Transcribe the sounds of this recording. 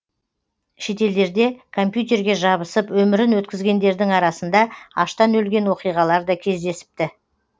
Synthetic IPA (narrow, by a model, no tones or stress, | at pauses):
ʃe̞t̪e̞ld̪e̞ɾd̪e̞kʰo̞mpjut̪̬ʲe̞ɾɡʲe̞ʒɑβəsəpwɵmɪɾɪnwɵt̪̚kʲɪzɡʲe̞nd̪e̞ɾd̪ɪŋɑɾɑsənd̪ɑɑ̰ʃt̪ɑnɵlɡʲe̞nwo̞qijʁɑlˠɑɾd̪ɑkʲʰe̞zd̪e̞sɪ̥p̚t̪ɪ